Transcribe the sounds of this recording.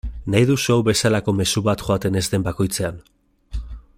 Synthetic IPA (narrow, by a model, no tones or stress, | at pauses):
najðuso̞wβe̞salako̞me̞suβat̪ʝo̞at̪e̞ne̞zd̪e̞mbako̞jt͡se̞an